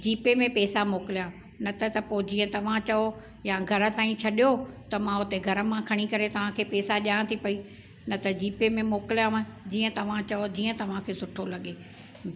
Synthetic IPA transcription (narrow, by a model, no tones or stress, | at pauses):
d͡ʑiːpemẽpɛːsamoːkɪlijã | nɐt̪ʰɐt̪ɐpoːd͡ʑiːə̃t̪ɐʋ̤ãt͡ɕɐo | jãɡʱɐɾə̆t̪aːĩt͡ɕʰɐɗijot̪ɐmãʊt̪eɡʱɐɾə̆mãkʰɐɽ̃ikɐɾet̪ɐʋ̤ãkʰeːpɛːsaʄãːt̪ʰipɐi | nɐt̪ɐd͡ʑiːpemẽmoːkɪlijãd͡ʑiːə̃t̪ɐʋ̤ãt͡ɕɐod͡ʑiːə̃t̪ɐʋ̤ãkʰeːsʊʈʰolɐɠeː